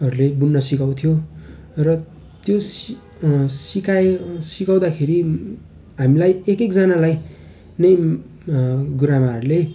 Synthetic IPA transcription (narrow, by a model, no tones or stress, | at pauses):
ʌɾulebunːʌsikaw̃t̪ʰijorʌ | t̪jos | sikasikaw̃d̪akʰeɾi | ɦamilajekekd͡zanalaj | nʌj | ɡuɾamaɦʌɾule